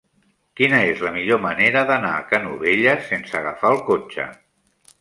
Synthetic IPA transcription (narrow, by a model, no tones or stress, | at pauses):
kinəezləmiʎoməneɾəðəna̰ːkanuβeʎəsensəːɣ̞əfaəlˠkot͡ʃə̰